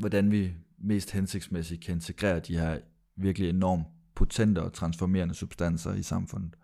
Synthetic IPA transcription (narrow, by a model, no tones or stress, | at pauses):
ʋɒd̥ænʋime̝̰ːsd̥hense̝ɡ̥̚d̥smesid̥̚kʰæe̝nt͡sʰe̝ɡ̥ʁɛ̰ːɐd̥ihæɐ | ʋiɐɡ̥əlienɒ̰ːm | pʰo̝t͡sʰen̰d̥əɒ̽t͡sʰʁɑ̈nsfɒme̝̰ɐnəsub̥sd̥æn̰sɐisɑ̈mfɔ̽n̰ð̩ˠ